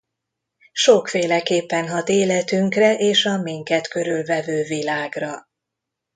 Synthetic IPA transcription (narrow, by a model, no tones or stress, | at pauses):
ʃo̞kfeːlɛkeːpːɛnɦɒt̪eːlɛt̪yŋkrɛʔeːʃɒmiŋkɛt̪kø̞ɾylvɛvøːvilaːɡrɒ